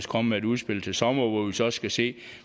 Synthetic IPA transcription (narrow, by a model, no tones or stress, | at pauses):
skʰɒ̽məmeeduð̞ˠsb̥e̝l̰t͡sʰe̝lsɒ̽mɐʋɒʋisɒ̽sːɡ̥æse̝̰ː